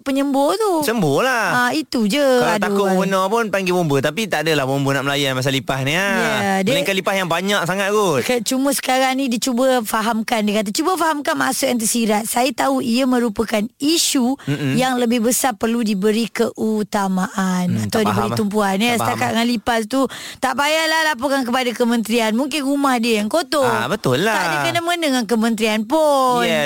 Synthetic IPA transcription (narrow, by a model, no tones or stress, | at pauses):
pəɲəmbot̪usəmbɔlaait̪ud͡ʒəad̪akʊmənɔpʊnpaŋɡemumbət̪apit̪aʔdəlahmumbənaʔməlajuamas̬alipahniajadilikalipahjaŋbaɲaksaŋat̪̚ɡokət͡ʃuməsə̥kaɾaŋnĩdit͡ʃubəfaɦamkandikat̪̬at͡ʃubəfaɦamkanmasʊk̚jant̪̬əsiɾat̪̚sajat̪auiəmə̃ɾupəkaniʃujaŋləbɪhbəsarpərludibəɾikəʔut̪amaʔanat̪awdibəɾiump̬uanjasət̪akat̪ŋanlipast̪ut̪aʔbajalahlapokank̬əpadakəmə̃nt̪ɾianmuŋkɪnɾumahdiəjaŋkot̪obət̪ʊlːaaadəkənaməənəŋankəmə̃nt̪ɾianpʊn